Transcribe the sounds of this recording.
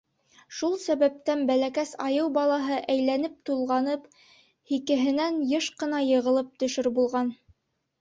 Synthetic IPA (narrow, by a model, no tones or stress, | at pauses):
ʃulˠsæβæp̚t̪ænbælækæsɑjɤwbɑlˠɑɦɤʔæjlænɘp̚t̪ulˠʁɑnɤp | hikɘ̆ɦɘ̆nænjɤʃqɤ̆nɑjɤ̆ʁɤ̆lˠɤp̚t̪ɵ̆ʃɵɾbulˠʁɑn